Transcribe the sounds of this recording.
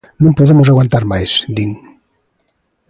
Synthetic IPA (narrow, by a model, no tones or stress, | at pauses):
nõmpoðemozaɣwant̪aɾmajsd̪iŋ